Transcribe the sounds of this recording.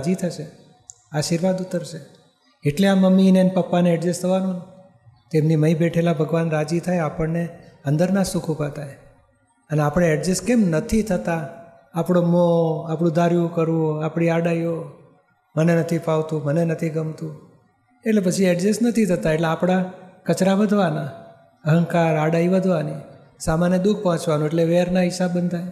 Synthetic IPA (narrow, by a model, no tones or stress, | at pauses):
d͡ʒit̪ʰəʃe | aʃiɾʋad̪ut̪ːəɾt͡ʃʰe | eʈleaməmːinenpəpːaneɛɖd͡ʒest̪ʰəʋanũne | t̪emniməibeʈʰelabʱəɡʋanɾad͡ʒit̪ʰajapəɳneənd̪əɾnasũkʰupat̪ʰaj | əneapɽ̃eɛɖd͡ʒeskemnət̪ʰit̪ʰət̪aː | pɽ̃omoapɽ̃ũd̪ʱaɾjũkəɾũapɽ̃iaɽaio | mənenət̪ʰipaʋt̪ũmənenət̪ʰiɡəmt̪ũ | eʈlepət͡ʃʰiɛɖd͡ʒesnət̪ʰit̪ʰət̪aeʈleapɽ̃akət͡ʃɾaʋəd̪ʱʋana | əɦəŋkaɾaɽaiʋəd̪ʱʋani | samanjəd̪uɡ̚pɔɦɔ̃t͡ʃʋanũeʈleʋeɾnaɦɪʃabənd̪ʱaj